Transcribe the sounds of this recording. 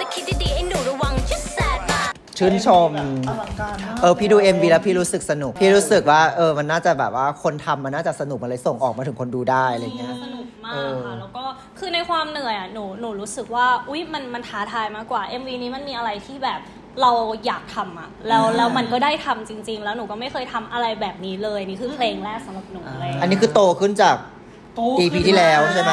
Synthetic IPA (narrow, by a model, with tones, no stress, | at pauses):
a˨˧˩kʰi˦˥t̪̚diː˧diː˧ʔe˧nuː˨˩˦ɾu˧˦wa˧ŋkʰi˦˥sɛː˨˦t̪̚a˥˩ | t͡ɕʰɯ˥˩nt͡ɕʰo˧mː˧˨˩ʔɤː˧pʰiː˥˩duː˧˩ʔe˧mwiː˧lɛː˦˥wpʰiː˥˩ɾuː˦˥sɯ˨˩k̚sa˧nu˨˩k̚pʰiː˥˩ɾuː˦˥sɯ˨˩k̚waː˥˩ʔɤː˧ma˧nːaː˥˩t͡ɕa˨˩bɛː˨˩p̚waː˥˩kʰo˧nt̪ʰa˧mːa˧nːaː˥˩t͡ɕa˨˩sa˧nu˨˩ma˧laː˧˥jso˨˩ŋʔɔː˨˩k̚ma˧ɯ˩˦ŋkʰo˧nduː˧daː˥˩jala˧jŋi˦˥ɐ˥sa˧nu˨˩k̚maː˧ʔːkːʰa˧˥˩lɛː˦˥wkɔː˥˩ | kʰɯː˧na˧jkʰwaː˧mnɯ˨˩˦əjʔa˨˩nuː˩˦nuː˩˦ɾuː˦˥sɯ˨˩k̚waː˥˩ʔu˦˥jma˧nma˧nt̪ʰaː˦˥t̪ʰaː˧jmaː˥˩kːwaː˨˩ʔe˧mwiː˧niː˦˥ma˧nmiː˧ʔa˧ɾa˧jt̪ʰiː˥˩bɛː˨˩p̚ | ɾa˧wjaː˨˩k̚t̪ʰa˧mʔa˨˩lɛː˦˥wlɛː˦˥wma˧nkɔː˥˩daː˥˩jt̪ʰa˧mt͡ɕi˧ŋt͡ɕi˧ŋlɛː˦˥wnuː˨˩˦kɔː˥˩ma˥˩jkʰɤː˧jt̪ʰa˧mʔa˧ɾa˧jbɛː˨˩p̚niː˦˥lɤː˧jʔa˧niː˦˥kʰɯː˧pʰleː˧ŋlɛː˥˩k̚sa˨˦mɾa˨˩p̚nuː˩˦a˧a˧nːiː˦˥kʰɯː˧˩t̪oː˧kʰɯ˥˩nt͡ɕaː˨˩k̚ː | iː˧pʰiː˧t̪ʰiː˥˩lɛː˦˥wʰa˦